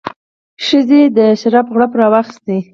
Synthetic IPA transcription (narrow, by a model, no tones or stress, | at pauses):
ʃəzed̪əʃaɾɑpɣɽapɾɑwaxst̪e